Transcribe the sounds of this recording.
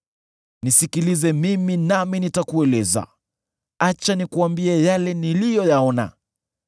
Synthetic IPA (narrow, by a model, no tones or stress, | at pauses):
nisikilizɛmiminaminitakuɛlɛza̰ | at͡ʃanikuambiɛjalɛnilijɔjaɔna̰